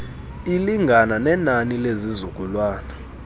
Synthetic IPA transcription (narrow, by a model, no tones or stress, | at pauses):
iliŋɡʱananɛnanilezizuɡ̥ʱʼulwaːna